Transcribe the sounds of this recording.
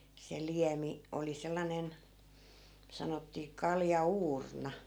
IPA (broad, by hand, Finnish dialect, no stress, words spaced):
se liæmi oli selːɑnen sɑnotːiː kɑljɑuːrnɑ